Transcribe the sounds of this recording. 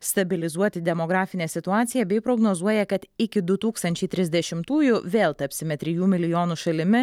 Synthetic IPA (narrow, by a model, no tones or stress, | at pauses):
st̪ɐbʲɪlʲɪzuɔt̪ʲɪd̪ʲɛmoɡɾɑːfʲɪnʲeːsʲɪt̪ʊɑːt̪sʲɪjɛbʲɛɪpɾoːɡnoːzuɔjɛkɐt̪ɪkʲɪd̪ʊt̪uːkst̪ɐnʲt͡ʃʲɛɪt̪ʲɾʲɪzʲd̪ʲɛʃʲɪmt̪uːjʊʋʲeːlˠt̪ɐpʲsʲɪmʲɛt̪ʲɾʲɪjuːmʲɪlʲɪjoːnuːʃɐlʲɪmʲɪ